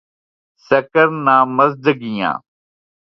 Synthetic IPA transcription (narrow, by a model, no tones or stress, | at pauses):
səkəɾnaːməzd̪əɡɪjã̰ː